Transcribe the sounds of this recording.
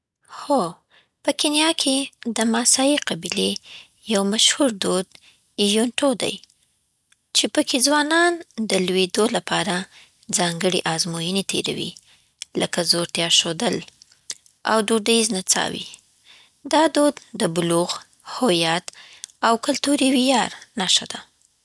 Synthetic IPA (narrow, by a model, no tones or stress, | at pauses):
xo | pəkenjɑkʰed̪əmɑsɑjiqabile | jawmaʃhuɾd̪od̪̚ | ijoɳʈod̪a̰j | t͡ʃepəkʰezwɑnɑnd̪əlwed̪olapɑɾa | d͡zɑŋɡəɽḛʔɑzmojənet̪ʰḛɾa̰wḭ | ləkazoɾt̪jɑʃod̪əl | ʔa̰wɖoɖaiznat͡sɑ̰wḭ | d̪ɑd̪od̪ːəbʊluɣ | hojɑt̪awkʊlt̪uɾiwijɑɾnaʃad̪a